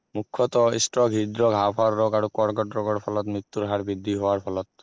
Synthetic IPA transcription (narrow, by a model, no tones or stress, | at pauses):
mukʰːɔt̪ɔḭstɹɔɡʱidɹɔɡʱapʰaɹːɔɡaɹukɔɹɡɔtɹɔɡɔɹpʰɔlɔtmɹit̪ːuɹɦaɹbid̪ʱːiɦowaɹpʰɔlɔt̪̚